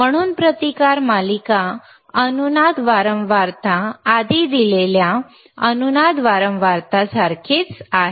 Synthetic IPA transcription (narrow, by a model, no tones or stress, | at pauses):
m̤əɽ̃uːnpɾət̪ikaɾmalika | ənunad̪ʋaɾəmʋaɾt̪aːd̪id̪ilelja | ənunad̪ʋaɾəmʋaɾt̪asaɾkʰiːt͡saɦe